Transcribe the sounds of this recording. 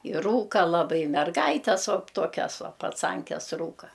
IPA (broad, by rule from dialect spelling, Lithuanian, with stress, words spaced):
ɪ ˈruːkɐ lˠɐˈbɐɪ mʲɛrˈɡɐɪtʲɛs ʋoː ˈtoːkʲɛs ˈʋoː pɐˈt͡sɐŋʲkʲɛs ˈruːkɐ